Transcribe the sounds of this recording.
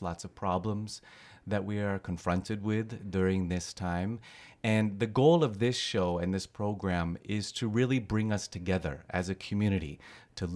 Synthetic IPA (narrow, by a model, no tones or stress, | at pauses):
lɑtsʌv̥pʰɹ̥ɑblə̃mz | ðɨʔ̚wiə˞kʰɨ̃ɱfɹʌ̃ntʰɨd̚wɪðdʊɹɪ̃ŋðɪstʰãɪ̃mɨ̃nðɨɡoʊlˠʌvðɪsʃoʊɨ̃nðɪspʰɹ̥oʊɡɹæ̃mɪz̥tʰɨɹɪlˠibɹɪ̃ŋʌstʰɨɡɛðə̰˞ʔɨzɨkʰɨmjʉñɨɾḭɾʰɨ